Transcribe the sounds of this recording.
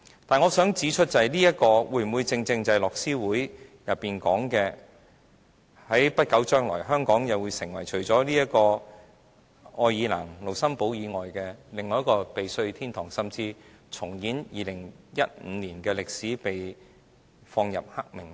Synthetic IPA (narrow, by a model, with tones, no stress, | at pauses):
t̪aː˨˩nŋɔː˨˧sœː˨˥ŋt͡siː˨˥t͡ʃʰɵ˥t̚t͡sɐ˨˩jliː˥jɐ˥t̚kɔː˧wuː˧jm̩˨wuː˨˧jt͡sɪ˧ŋt͡sɪ˧ŋt͡sɐ˧jlɔː˨ksiː˥wuː˨˥jjɐ˨pːiː˨nkɔː˨˥ŋkɛː˧ | hɐ˨˥jpɐ˥t̚kɐ˨˥wt͡ʃœː˥ŋlɔː˨˩jɦœː˥ŋkɔː˨˥ŋjɐ˨wuː˨˧jsɪ˨˩ŋwɐ˨˩jt͡ʃʰɵ˨˩ɥt͡sɔː˨˥liː˥jɐ˥t̚kɔː˧ | ɔː˧jiː˨˧la̰ː˨˩ŋlo˨˩wsɐ˥mpo˨˥wjiː˨˧ŋɔː˨jkɛː˧lɪ˨ŋɔː˨˧jɐ˥kɔː˧pe˨jsɵ˧ɥt̪ʰiː˥nt̪ʰɔː˨˩ŋsɐ˨mt͡siː˧ | t͡sʰʊ˨˩ŋjiː˨˥njiː˨˧lɪ˨˩ŋjɐ˥t̚m̩˨˧liː˨˩nkɛː˧lɪ˨k̚siː˨˥pe˨j | fɔː˧ŋjɐ̰˨p̚ha˥k̚mɪ˨˩ŋ